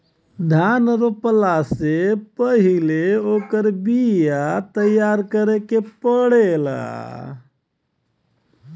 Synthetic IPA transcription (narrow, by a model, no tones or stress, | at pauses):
d̪ʱanɾopəlasepəɦileokəɾbijat̪əjaɾkəɾekepəɽela̰